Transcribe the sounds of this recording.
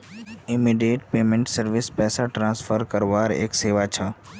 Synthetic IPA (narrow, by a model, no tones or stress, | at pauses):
ɪmiɖijeːʈpeːmẽɳʈsəɾʋɪspɛːsaʈɾãːnsfʰəɾkəɾʋaːɾḛːkseːʋat͡ʃʰa